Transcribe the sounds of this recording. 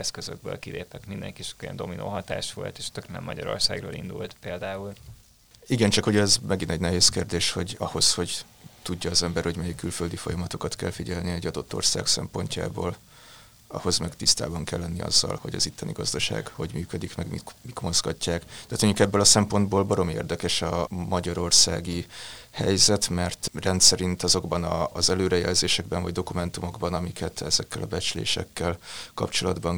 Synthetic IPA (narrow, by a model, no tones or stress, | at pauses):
ɛskøzøɡ̚bø̰ːlkid̪eːt̪ɛkmind̪ɛ̰ŋkit͡ʃo̥kojɛ̰nd̪o̞minʔo̰ːɦɒt̪aːʃʋo̞̰lt̪eːʃt̪ø̞knɛ̰mːɒɟɒɾo̞̰rsaːɡroːlʔḭnd̪ult̪peːld̪aːul | iɡɛnt͡ʃɒkhoɟɛzmɛɡinɛɟnɛɦeːskeːrd̪eːʃho̞ɟɒho̞sho̞ɟ | t̪uɟːɒːzɛmbɛrhoɟmɛjikːylføld̪ifo̞jɒmɒt̪o̞kɒt̪kɛ̰lfiɟɛlniɛɟːɒd̪o̞t̪ːo̞̰rsa̰ːksɛ̰mpo̞ɲca̰ːboːl | ɒ̰ho̞zmɛɡt̪ist̪a̰ːbɒŋkɛlːɛnːiɒ̰zːɒ̰lho̞̰ɟɒ̰zit̪ʰːɒniɡɒzd̪ɒʃa̰ːɡho̞ɟmyːkød̪ikmɛɡmḭmit̪mo̞zɡɒcːaːkt̪ɛːt̪øɲɟukɛbːølɒsɛmpo̞nd̪boːlbɒɾo̞miḛːrd̪ɛkɛʃɒmɒɟɒɾo̞rsa̰ːɡihɛjzɛt̪mɛrt̪rɛnt̪sɛɾint̪ɒzo̞ɡbɒnɒːzɛløːɾɛjɛ̰lzeːʃɛɡ̚bɛɱvɒɟd̪o̞kumɛnt̪umo̞ɡbɒnɒmikʰɛt̪ɛzɛkːɛlɒbɛt͡ʃlḛːʃɛ̰kːɛlkɒ̰pt͡ʃo̞lɒd̪bɒŋ